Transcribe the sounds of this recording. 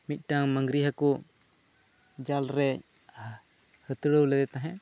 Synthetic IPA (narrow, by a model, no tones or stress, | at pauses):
mit̪̚ˀʈaŋmaŋɡɾiɦaku | d͡ʒalɾɛ | hət̪əɽəwlɛd̪ɛt̪aɦɛʔ